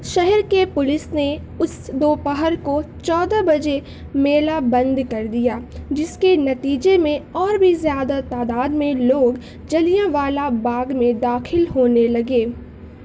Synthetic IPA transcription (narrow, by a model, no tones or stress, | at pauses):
ʃɛɦɛɾkepʊlɪsne | ʊsd̪oːpəɦəɾkot͡ʃɔːd̪abɐd͡ʒe | meːlabɐ̃nd̪kɐɾd̪ijaːd͡ʒɪskenɐt̪iːd͡ʒemẽɔːɾbʱizjaːd̪at̪aːd̪aːd̪mẽloːɡ | d͡ʒɐlijãʋaːlabaːɡmẽd̪aːxʰɪlɦoːnelɐɡeː